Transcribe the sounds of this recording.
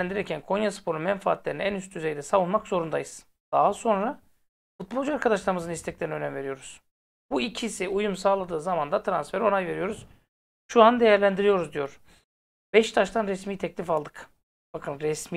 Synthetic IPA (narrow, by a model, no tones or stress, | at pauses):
ænd̪iɾɛɾcʰænkʰo̞njasɯ̥pʰo̞ɾunmɛnfaaːt̪lʲe̞ɾinænyst̪ʰyzejd̪ɛsavunmakzo̞ɾund̪ajɯz̥ | d̪̥aɦaso̞nɾa | fut̪̚bo̞lˠd͡ʒuaɾkʰad̪aʃlˠaɾɯmɯzɯnist̪ʰɛc̚lʲeɾniø̞næmve̞ɾijo̞ɾuz̥ | b̥uicʰisiujumsaːlˠad̪ɯːzamand̪at̪ʰɾansfɛɾo̞najve̞ɾijo̞ɾuz̥ | ʃuand̪e̞jæɾlʲænd̪iɾijo̞ɾuzd̪ijo̞ɾ̥ | b̥ɛʃt̪ʰaʃt̪ʰanɾɛsmiːt̪ʰɛclʲifalˠd̪ɯk | bakʰɯnɾɛsmi